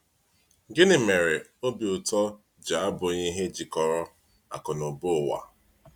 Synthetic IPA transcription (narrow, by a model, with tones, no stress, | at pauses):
ɡɪ˦nɪ˨me˨ɾe˨o˦bi˨ʊ˨tɔ˦ | d͡ʒa˨a˦bʊ˨ɲi˦ɦe˦d͡ʒi˨kɔ˨ɾɔ˦ | a̰˨kʊ˨nʊ˨bo˦˨wa̰˨